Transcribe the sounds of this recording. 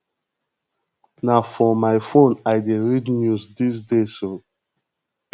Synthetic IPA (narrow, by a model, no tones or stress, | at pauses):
nafɔmaɪfõnaɪdeɹidnjuzdis̬deso